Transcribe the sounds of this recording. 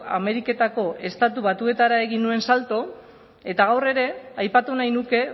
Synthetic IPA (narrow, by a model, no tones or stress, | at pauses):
a̰me̞ɾike̞t̪ako̞ʔe̞st̪at̪uβat̪ue̞t̪aɾaeɣinːue̞nsalt̪o̞ | e̞t̪aɣ̞awre̞ɾe̞ajpat̪unajnuke̞